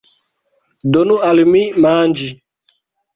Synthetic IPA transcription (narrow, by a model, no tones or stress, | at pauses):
donualimimaːnd͡ʒi